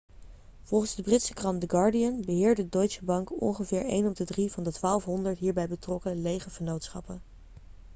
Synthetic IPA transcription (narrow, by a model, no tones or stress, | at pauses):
v̥ɔlˠχənzdəbrɪtsəkrɑndəɡɑɹdiənbəɦɪːɹdədoɥtsəbɑŋkɔ̰nχəvɪːɹḛjnɔb̚dədrivɑndətʋaːlˠfɦɔndəɹtɦiːɹbɛjbətrɔkəlejχəχənowtsχɑ̰pən